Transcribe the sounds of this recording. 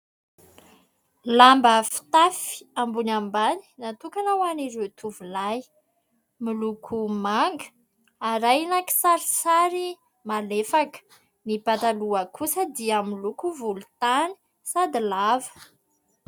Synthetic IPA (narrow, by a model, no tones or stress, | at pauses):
lambəfi̥t̪afi̥ambunambani̥nat̪ukanawaniɾewt̪ʰuvulaj | milukʰumaŋɡə̥ | aɾajnaki̥saɾisaɾi | malefakə̥ | nipat̪aluəkʰusəd̪iamilukuvulut̪ani̥ | sad̪ilavə̥